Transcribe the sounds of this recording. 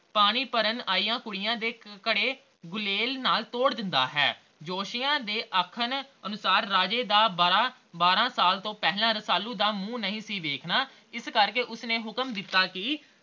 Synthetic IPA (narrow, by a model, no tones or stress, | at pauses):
paːɽ̃iːpəɾənaːiːjãːkʊɽɪjãːd̪eːkəɽeː | ɡʊleːlnaːlt̪oːɽd̪ɪnd̪a̰ːɦɛ̰ː | d͡ʒoːʃɪjãːd̪eːʔəkʰənənʊsaːɾːaːd͡ʒeːd̪aːbɾãː | baːɾãːsaːlt̪õːpɛːɦlãːɾəsaːlːũːd̪aːmũːnəɦĩːsiːʋeːkʰnaː | ɪskəɾkeːʔʊsnẽːɦʊkəmd̪ɪt̪ːaːkɪ